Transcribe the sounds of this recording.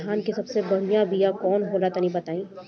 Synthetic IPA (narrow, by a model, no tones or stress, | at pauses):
ɦaːnkisɐbsebɐɽ̤ijãbʱijakɔːnɦoːlat̪ɐnĩbɐt̪aːĩː